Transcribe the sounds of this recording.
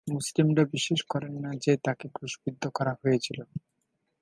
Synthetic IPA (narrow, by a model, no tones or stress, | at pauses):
muslimɾabiʃeʃkɔɾenːad͡ʑet̪akekɾuʃbid̪ʱːokɔɾaɦojet͡ɕʰilo